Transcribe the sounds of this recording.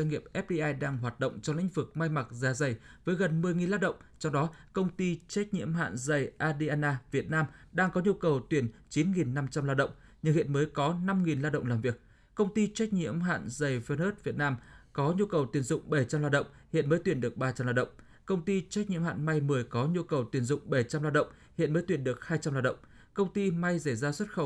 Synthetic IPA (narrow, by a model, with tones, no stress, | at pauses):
a˧ŋḭ˨˧˨əp̚ʔɛ˦˥p̚ɗi˧ʔaː˧jɗaː˧ŋɦwaː˨˩t̚ɗə̰˧˨wŋ͡mt͡ɕɔ˧lḭ˧˥ŋ̟vɨ˨˩k̚ma˧jma˨˩k̚zaː˨˦zə˨˩jvəː˨˦jɣə˨˩nmɨ˨˩əjŋi˨˩nlaː˧ɗə̰˧˨wŋ͡mt͡ɕɔ˧ŋ͡mɗɔ˨˦kə˧wŋ͡mt̪i˧t͡ɕa˦˥k̚ɲḭ˧˥əmɦa̰ː˧˨nzə˨˩jʔaː˧ɗi˧ʔaː˧naː˧vi˨˩ət̚naː˧mɗaː˧ŋkɔ˨˦ɲu˧kə˨˩wt̪wi˧˩ənt͡ɕi˨˦nŋi˨˩nːa˧mt͡ɕa˧mlaː˧ɗə̰˧˨wŋ͡m | ɲɨ˧ŋhḭ˧˨ənməː˨˦jkɔ˨˦na˧mŋi˨˩nlaː˧ɗə̰˧˨wŋ͡mlaː˨˩mvi˨˩ək̚ | kə˧wŋ͡mt̪i˧t͡ɕa˦˥k̟̚ɲḭ˧˥əmɦa̰ː˧˨nzə˨˩jvə˧nəː˦˥t̚vi˨˩ət̚naː˧mkɔ˨˦ɲu˧kə˨˩wt̪wi˨˩ənzʊ̰˧˨ŋ͡mɓə˧˩jt͡ɕa˧mlaː˧wɗə̰˧˨wŋ͡mhḭ˧˨ənməː˨˦jt̪wi˧˩ənɗɨ˨˩ək̚ɓaː˧t͡ɕa˧mlaː˧wɗə̰˧˨wŋ͡m | kə˧wŋ͡mt̪i˧t͡ɕa˦˥k̚ɲḭ˧˥mha̰ː˧˨nma˧jmɨ˨˩əjkɔ˨˦ɲu˧kə˨˩wt̪wi˨˩ənzʊ̰˧˨ŋ͡mɓə˧˩jt͡ɕa˧mlaː˧wɗə̰˧˨wŋ͡m | hḭ˧˨ənməː˨˦t̪wənɗɨ˨˩ək̚haː˧jt͡ɕa˧mlaː˧wɗə̰˧˨wŋ͡m | kə˧wŋ͡mt̪i˧ma˧jsə˧˩jzaː˧swt̚xə˧˩w